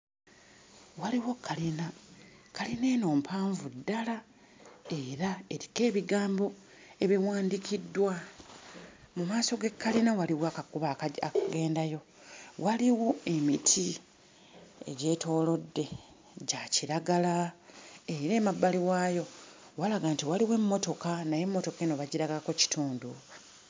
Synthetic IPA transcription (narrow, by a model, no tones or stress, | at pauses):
waliwokʰːalinakalineːno̞ːmpʰaːɱvudːala | e̞ɾae̞ɾike̞ːβiɡaːmbo̞ | e̞βiwaːndikidːwa | mumaːso̞ɡe̞kːalinawaliwakakuβakakaɡe̞ːndajo̞ | waliwue̞mitʰi | ḛɟe̞ːtʰo̞ːlo̞dːe̞ | ɟaciɾaɡala | eɾe̞ːmabːaliwajo̞walaɡaːntiwaliwe̞mːo̞to̞kanaje̞mːo̞to̞keno̞βaɟiɾaɡalakoci̥tuːndu